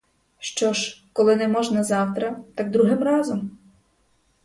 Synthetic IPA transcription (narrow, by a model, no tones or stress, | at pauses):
ʃt͡ʃɔʒkɔlˠɪnɛmɔʒnɐzɑwt̪ɾɐt̪ɑɡd̪ɾuɦɪmrɑzɔm